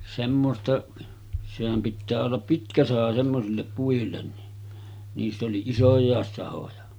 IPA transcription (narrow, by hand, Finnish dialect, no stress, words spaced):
semːostɑ sehæm pitːæː olːɑp pitkæ sɑhɑ semːosilːep puilːen ni niːsː oli isojˑɑˑes sɑhojɑ